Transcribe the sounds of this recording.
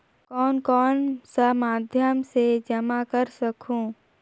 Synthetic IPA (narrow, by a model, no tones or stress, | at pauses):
kɔːnkɔːnsɐmaːd̪ʱjəmsed͡ʒɐmakəɾsɐkʰũː